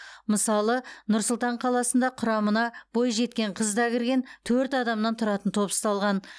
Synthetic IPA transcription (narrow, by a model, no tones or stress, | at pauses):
məsɑlˠənʊɾsʊlˠt̪ɑɴqʰɑlˠɑsənd̪ɑqʰʊɾɑmənɑbo̞jʒe̞t̪̚kʲe̞ɴqʰəzd̪ɑkʲʰɪɾɡʲe̞nt̪ʰɵɾt̪ɑd̪ɑmnɑnt̪ʰʊɾɑt̪ənt̪ʰo̞pə̥st̪ɑlˠʁɑn